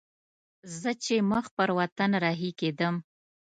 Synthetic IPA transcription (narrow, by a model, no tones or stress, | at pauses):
zət͡ʃeməxpəɾwat̪anɾɑɦiked̪əm